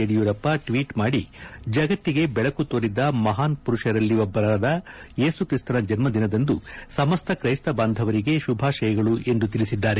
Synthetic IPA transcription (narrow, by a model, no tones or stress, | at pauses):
eɽijuːɾɐpːɐʈʋiːʈmaːɽid͡ʒɐɡɐt̪ːiɡe̞bɛɭɐkut̪oːɾid̪ɐmɐɦaːnpuɾuʂɐɾɐlːiʋobːɐɾɐɾɐd̪ɐje̞ːsukɾist̪ɐnɐd͡ʒɐnmɐd̪inɐd̪ɐnd̪usɐmɐst̪ʰɐkɾɐjst̪ɐbaːnd̪ʱɐʋɐɾiɡe̞ʃubʱaːʃɐjɐɡɐɭuʔe̞nd̪ut̪iɭisid̪ːaːɾe